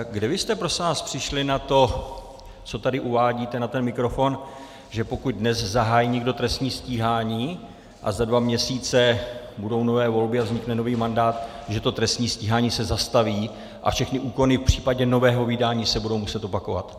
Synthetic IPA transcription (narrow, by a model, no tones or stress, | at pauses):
ɡdɛvɪst̪ɛpɾosaːspr̥ɪʃlɪnat̪o̞ | t͡so̞t̪adɪʔuvaːɟiːt̪ɛnat̪ɛnmɪkɾo̞fo̞n | ʒɛpo̞kuɟ̪̚dnɛszaɦaːjiːɲɛɡdo̞t̪ɾɛst̪ɲiːsciːɦaːɲiː | ʔa̰zadvamɲɛsiːt͡sɛbudo̞wno̞vɛːvo̞lbɪavzɲɪknɛno̞viːmandaːt̪ | ʒɛt̪o̞t̪ɾɛst̪ɲiːsciːɦaːɲiːsɛzast̪aviː | ʔa̰fʃɛxnɪʔuːko̞nɪfpr̝̥iːpaɟɛno̞vɛːɦo̞vɪdaːɲiːsɛbudo̞wmusɛt̪o̞pako̞va̰t̪